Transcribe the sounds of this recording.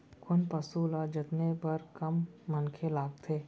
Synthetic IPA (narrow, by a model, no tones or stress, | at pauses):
kʊnpɐsuːlad͡ʒɪt̪nepɐɾkɐmːɐnkʰelaːɡt̪ʰeː